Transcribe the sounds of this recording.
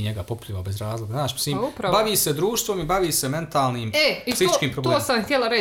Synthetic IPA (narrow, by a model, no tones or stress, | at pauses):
ɲeɡapopu̥lʎiʋabe̞zɾaːzlˠoɡaznaːʃmi̥siːmupɾabaʋiːse̞d̪ɾuːʃt̪ʋo̞mibaʋiːse̞me̞nt̪aːlˠniːmeilit̪it͡ʃkiːmpɾobloeːsamxt̪ʲjelˠaɾe